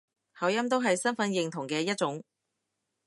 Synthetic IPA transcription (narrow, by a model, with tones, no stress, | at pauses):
hɐ˨˥wjɐ˥mt̪o˥wɦɐ˨jsɐ˥nfɐ˨˥njɪ˨ŋt̪ʰʊ˨˩ŋkɛː˧jɐ˥t̚t͡sʊ˨˥ŋ